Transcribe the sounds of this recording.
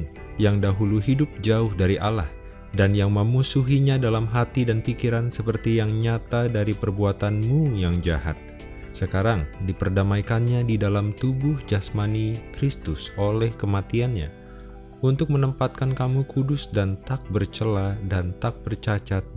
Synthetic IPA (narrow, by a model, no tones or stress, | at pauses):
jaŋdaɦuluɦidʊp̚d͡ʒaʊhdaɾiʔalah | danjaŋməmusuɦiɲadalamɦat̪idanfikiɾansəpərt̪ijaŋɲat̪adaɾipərbuat̪anmujaŋd͡ʒa̰ɦa̰t̪̚ | səkaɾaŋdipərdamaikanɲadidalamt̪ubʊhd͡ʒasmanikɾist̪ʊsolɛhkəmat̪ianɲa̰ | unt̪ʊk̚mənəmpat̪̚kankamukʰudʊsdant̪ak̚bərt͡ʃəladant̪ak̚bərt͡ʃat͡ʃat̪̚